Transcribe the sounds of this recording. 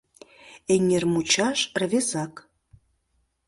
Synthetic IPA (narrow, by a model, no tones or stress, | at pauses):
eŋʲermut͡ɕɑʃrvezɑk